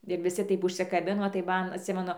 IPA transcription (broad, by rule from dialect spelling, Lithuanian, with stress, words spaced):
ɪr ʋʲɪˈsʲɪ ˈtɐɪp ʊʃʲsʲɪkɐˈbʲɪnoː tɐɪ ˈmɐn ɐtʲˈsʲɪmʲɛnʊ